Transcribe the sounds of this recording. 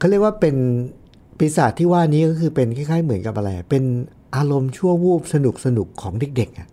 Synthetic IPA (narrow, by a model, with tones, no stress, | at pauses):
kʰːɾi˥˩əkwaː˥˩pe˧n | pi˨˧saː˨˩t̪ʰːiː˥˩waː˥˩niː˦˥kɔː˥˩kʰɯː˧pe˧nkʰaː˥˩jkʰaː˥˩jmɯ˩˦nka˨˩p̚ʔa˧ɾa˧jʔa˨˩pe˧n | ʔaː˧ɾo˧mt͡ɕʰu˥˩əwuː˥˩p̚sa˧nu˨˩k̚sa˧nu˨˩kʰːɔː˩˦ŋde˨˩k̚de˨˩k̚ʔa˨˩ʔ